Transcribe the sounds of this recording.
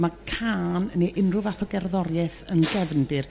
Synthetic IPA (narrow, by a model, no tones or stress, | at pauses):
makʰaːnneʔɪnrʊvaθɔɡɛrðɔɾjɛθənɡɛvndɪr